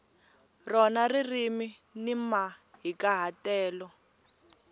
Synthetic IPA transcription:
rɔnaririmi | nimaɦikaɦatɛːlɔ

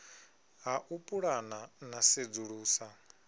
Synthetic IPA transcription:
ɦaʔupʼuɺananased͡zuɺuːsa

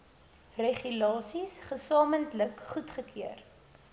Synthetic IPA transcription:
reχylɑːsisχəsɑːməntləkχutχəkʰiər

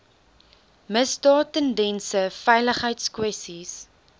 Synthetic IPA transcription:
məsdɑːtəndɛnsəfɛjləχɦəjtskwɛstis

